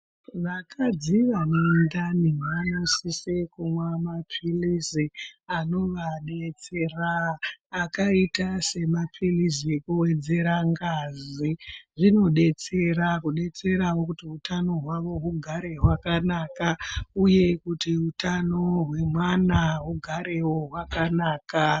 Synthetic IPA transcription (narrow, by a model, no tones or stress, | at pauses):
ʋakʰad͡ziʋanendanimanosisekumwamapʰilisiano̞ʋaɗet͡seraː | kaitase̞mapʰilis̬iekuwe̞d͡ze̞ɾaŋɡaziʐino̞ɗe̞t͡se̞ɾakuɗe̞t͡se̞ɾawo̞kutiutʰano̞ɦwaʋo̞ɦuɡʱaɾe̞ɦwakanakauje̞kutiutano̞ɦwe̞mwanaɦuɡʱaɾe̞woɦwakanaːka